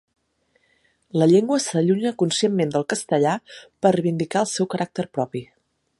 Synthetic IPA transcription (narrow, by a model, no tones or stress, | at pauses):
ləʎeŋɡwəsəʎuɲəkunsiemmend̪əlˠkəst̪əʎapərrəβind̪ikaəlˠsɛwkəɾʔak̚t̪əɾpɾɔpi